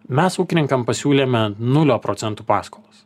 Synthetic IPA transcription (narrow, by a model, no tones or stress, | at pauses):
mʲɛsuːkʲɪnʲɪŋkɐmpɐsʲuːlʲeːmʲɛnʊlʲoːpɾɔːt̪sʲɛnt̪uːpɑːskolˠɐs